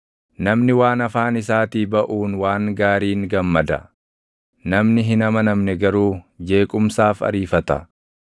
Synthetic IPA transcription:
nɐmnɪwaːnɐfaːnɪsaːt̪iːbɐʔuːnwaːŋɡaːɾiːŋɡɐmːɐd̪ɐ̰ | nɐmnɪɦɪnɐmɐnɐmnɛɡɐɾuːd͡ʒe̞ːkʼʊmsaːfɐ̰ɾiːfɐt̪ɐ̰

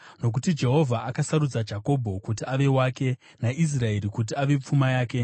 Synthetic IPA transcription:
no̞k̬utid͡ʒe̞ɦo̞vʱaʔakasaɾud͡zad͡ʒako̞bʱo̞kutiaʋe̞waːke̞ | naʔis̬rae̞ɾikut̬iaʋe̞p͡fumajaːke̞

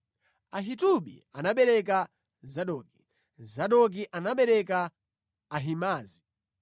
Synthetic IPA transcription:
aɦituɓḭanaɓɛɾɛk̬a | zaɗɔːki | zaɗɔk̬iʔanaɓɛɾɛkaː | ɦimaːzi

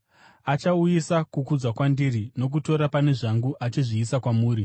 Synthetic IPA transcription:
at͡ʃaujisakukud͡zwakwandirino̞k̬uto̞ɾapane̞ʐaŋɡuʔat͡ʃiʐiːsakwamuːɾi

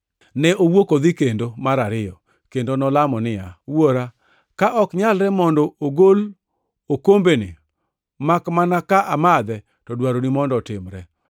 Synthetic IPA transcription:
nɛʔowokod̪ikendomaɾaɾɪjɔ | kendonɔlamɔnɪjawoɾa | kaʔɔkɲalɾɛmɔndɔoɡol | okombeni | makmanakaʔamad̪ɛ | tɔdwaɾonimɔndɔtɪmɾɛ

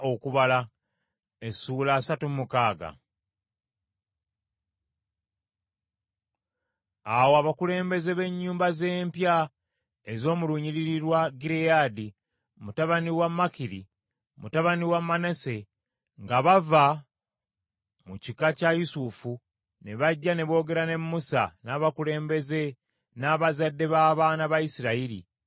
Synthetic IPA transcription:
okuβala | esuːlaːsatummukaːɡa̰ | awoaβakule̞ːmbe̞ze̞βe̞ɲːuːmbaze̞ːmpja | ezo̞ːmuluɲiɾiɾiɾwaɡiɾejaːdi | mutaβaniwamːakiɾḭ | mutaβaniwamːanese̞ | ŋɡaβava | mucikacajusufu | ne̞βaɟːane̞βo̞ːɡe̞ɾane̞mːusa̰naβakule̞ːmbe̞ze̞ | naːβazadːe̞βaːβaːnaβaisiɾaiɾḭ

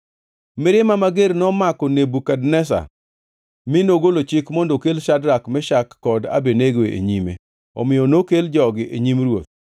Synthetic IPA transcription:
mɪɾɪmamaɡeɾnɔmakɔnebukadnɛs̬a̰ | mɪnoɡolot͡ʃɪkmɔndɔkelʃadɾakmɛʃakːɔda̰beneɡweʔḛɲimḛ | ɔ̰mɪjɔnokeld͡ʒɔɡɪʔeɲimɾwot̪̚

